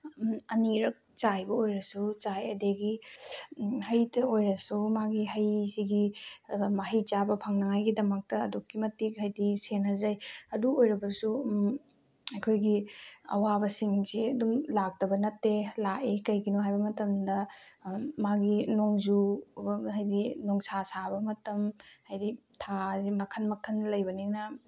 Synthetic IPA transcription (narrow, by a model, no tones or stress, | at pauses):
ɐniɾɐk̚t͡ʃajbɐojɾɐsut͡ʃajɐdeɡi | hɐjtɐojɾɐsumaɡiɦɐjsiɡi | mɐɦijt͡ʃabɐpʰɐŋnɐŋajɡidɐmɐk̚tɐːdokːimɐtːik̚ɦɐjdisenɐzɐjɐduojɾɐbɐsu | ɐjkʰojɡiɐ̰wabɐsiŋziɐdumlak̚tɐbɐnɐtːelaʔekɐjɡinoɦajbɐmɐtɐmdɐ | maɡinoŋzubɐɦɐjdinɔŋsasabɐmɐtɐmhɐjditʰazimɐkʰɐnmɐkʰɐnlɐjbɐniŋnɐ